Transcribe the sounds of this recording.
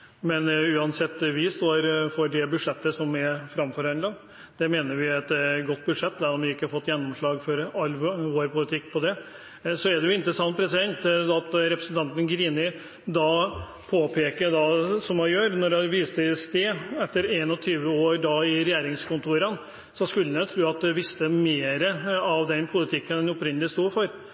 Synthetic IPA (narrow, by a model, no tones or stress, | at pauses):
mɛnʉːɑnsɛt̪ːʋɪst̪oːɾfɔɖɛbʉd̪ʂɛt̪ːəsɔmɛfɾɑmfɔɾhɑnlɑ | d̪̥ɛmeːnəɾʋɪɛt̪ɡɔt̪ːbʉd̪ʂɛt̪ːd̪æɾɔmʋɪɪkːəfɔt̪ːjɛnːɔmʂɭɑːɡfɔɾɑlːʋoːɾpʰʊlɪt̪ʰɪkːpʰɔd̪ɛ | sɔɛɖɛjʊɪnt̪əɾəsɑnt̪̚pʰɾɛsɪd̪ɛnt̪ɑt̪ɾɛpɾəsənt̪ɑnt̪ənɡɾiːnɪ | d̪ɑ | pʰoːpʰeːkəd̪ɑsɔmhɑjøːɾnɔɖɑʋiːst̪əst̪eːɛt̪ːəɾeːnɔt̪ʰyːʋəoːɾɖɑɪɾɛjeːɾɪŋskʊnt̪ʰuːɾən | sɔskʉlːənət̪ʰɾʉːɑt̪̚d̪ɛʋɪst̪əmeːɾəɑʋd̪ɛnpʰʊlɪt̪ʰɪkːənɛnɔpɾɪnːəlɪst̪uːfɔɾ